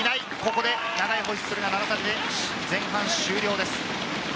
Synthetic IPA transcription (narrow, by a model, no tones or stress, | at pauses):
inai | ko̞ko̞d̪e̞ | naɡaiɦo̞ɕi̥sɨɾɯ̟nanaɡasamʲid̪e | d͡zẽ̞ɰ̃ɦãɰ̃ɕɨːɾʲjo̞ːd̪e̞sɨ̥